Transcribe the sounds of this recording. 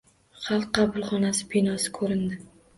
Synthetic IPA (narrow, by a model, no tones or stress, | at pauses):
χɑlˠqːɑbʊlˠχɒnasɪ̥pʰinɒsɪ̥kʰɵɾɪnd̪ɪ